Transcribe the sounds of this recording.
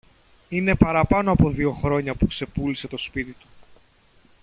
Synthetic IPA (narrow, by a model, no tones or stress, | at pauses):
ine̞pɐɾɐpɐno̞ɐpo̞ðio̞xɾo̞ɲɐpukse̞pulise̞t̪o̞spit̪it̪u̥